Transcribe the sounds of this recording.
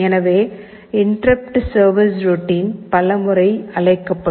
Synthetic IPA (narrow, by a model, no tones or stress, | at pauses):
ɛnɐʋeː | ɪɳɖrɐp̚ʈsɐːɾʋɪsɾʊʈːiːnpɐlɐmɯɾɐɪɐɭɐɪkːɐpːɐ